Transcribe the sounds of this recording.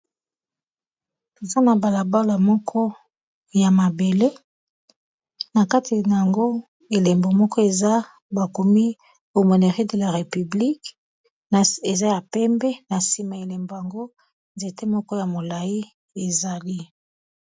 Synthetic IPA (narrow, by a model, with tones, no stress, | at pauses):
e˨za˦na˨ba˨la˨ba˦la˨mɔ˦kʰɔ˦ | ja˨ma˨be˨le˦ | na˨ka˦tʰi˨na˨ja˨ŋɡo˦ | e˨le˨mbo˨mɔ˦kɔ˦e˨za˦ | ba˨ko˨mi˦ | o˨mo˨ne˨ʁi˦de˨la˨ʁe˨py˨bli˦k | n˨e˨za˦ja˨pɛ˦mbɛ˦na˨si˨ma˨e˨le˨mbo˨ja˨ŋɡo˦ | nze˨te˦mɔ˦kɔ˦ja˨mo˨la˨i˦ | e˨za˨li˦